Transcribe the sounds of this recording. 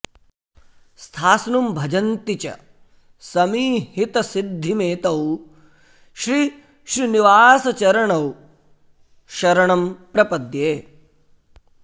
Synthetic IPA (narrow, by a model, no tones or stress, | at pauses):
st̪ʰaːsnumbʱɐd͡ʒɐnt̪it͡ʃɐ̰ | sɐmiːhit̪ɐsid̪ʱːimeːt̪ɐw | ʃɾi | ʃɾiniʋaːsɐt͡ʃɐɾɐɳɐw | ʃɐɾɐɳɐmpɾɐpɐd̪jeː